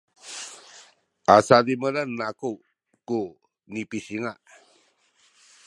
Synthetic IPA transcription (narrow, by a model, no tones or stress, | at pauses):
asadimənanːaku | ku | nipisiŋaʔ